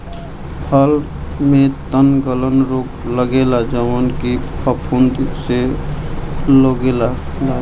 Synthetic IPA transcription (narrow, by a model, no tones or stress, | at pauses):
pʰəl | met̪ənɡələnɾokləɡelad͡ʒəʋənkipʰəpʰund̪se | loɡela